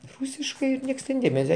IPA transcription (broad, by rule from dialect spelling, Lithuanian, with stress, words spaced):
ˈrʊsʲɪʃkɐɪ ˈnʲiɛks tʲɛn ˈdʲeːmʲɛsʲɛ